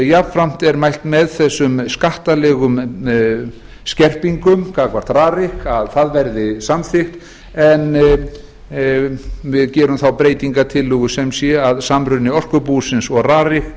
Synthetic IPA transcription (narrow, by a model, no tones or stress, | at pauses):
japfɾam̥t̪ɛɾmajl̥t̪mɛðθɛsːʏmskaht̪alɛɣʏm | scɛr̥piŋkʏmkʰaːkvar̥t̪raːrɪhkaðθaðvɛɾðɪsamθɪxt̪ | ɛn | vɪðcɛːɾʏmθawpɾeːjt̪iŋkat̪ʰɪlːʏɣʏsɛmsjɛaðsamɾʏnɪɔr̥kʏpusɪnsɔɣraːrɪxk